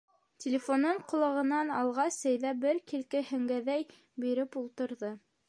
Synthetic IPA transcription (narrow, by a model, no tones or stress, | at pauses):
tʲɪlʲɪfonɤɴqŏlˠɑʁɤ̆nɑnɑlˠʁɑsæjðæbɘɾkilkɘhɵ̆ŋɡæðæj | biɾɘpulˠt̪ɤ̆ɾðɤ